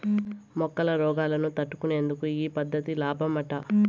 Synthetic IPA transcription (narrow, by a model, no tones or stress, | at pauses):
mɔkːɐlɐɾɔːɡaːlɐnut̪ɐʈːu̥kune̞ːnd̪ukuiːpɐd̪ːɐt̪ilaːbʱɐmɐʈɐ